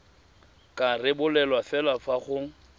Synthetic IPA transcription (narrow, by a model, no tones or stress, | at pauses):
kʼarɪbʊlɛlwafɛlafaχʊ